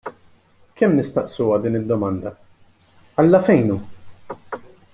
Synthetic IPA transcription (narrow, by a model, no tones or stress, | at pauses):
kɛmːnɪst̪ɐʔsuːwɐd̪iːnɪd̪ːɔmɐnd̪ɐ | ɐlːɐfɛjnuː